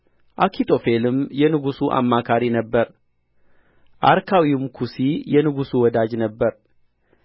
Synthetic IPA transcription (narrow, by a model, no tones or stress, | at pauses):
ʔakʰit̪ʰʼo̞fe̞lɨmjɛnɨɡusuʔa̰mːakʰaɾinəbːəɾ | ʔaɾkʰawiumkʰusijɛnɨɡusuwɔd̪ad͡ʒnəbːəɾ